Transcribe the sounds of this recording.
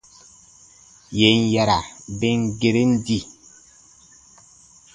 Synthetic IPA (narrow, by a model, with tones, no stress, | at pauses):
je˨˦n˨ja˨ɾa˨be˦ŋ˦ɡe˨ɾe˦n̩˦di˦˨